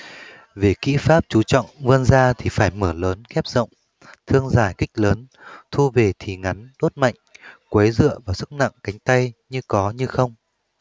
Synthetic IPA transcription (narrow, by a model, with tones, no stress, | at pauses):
ve˨˩kḭ˧˥faː˦˥p̚t͡ɕu˨˦t͡ɕɔ̰˧˨wŋ͡mvɨ˧ənzaː˧t̪ʰi˨˩faː˧˩jməː˧˩ləː˨˦nxɛ˦˥p̚zə̰˧˨wŋ͡m | t̪ʰɨ˧əŋzaː˧˩jkï˦˥k̟̚ləː˨˦nt̪ʰu˧ve˨˩t̪ʰi˨˩ŋa˨˦nɗo˦˥t̚ma̰˧˨jŋ̟kwe˨˦zɨ̰˧˨əvaː˨˩wsɨ˦˥k̚na̰˧˨ŋka˨˦jŋ̟t̪a˧jɲɨ˧kɔ˨˦ɲɨ˧xə˧wŋ͡m